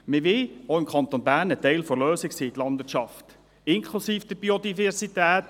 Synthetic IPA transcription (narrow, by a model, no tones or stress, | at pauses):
mɪʋɪoɪmkʰχɑnt̪onbæːɾnət̪ɛɪlfɔɾløːsɪksiːɪt̪lɑnd̥̪vɪːt͡ʃɑft | ɪŋkʰlusiːfd̥̪əb̥iod̪ifɛɾsit̪æːt̪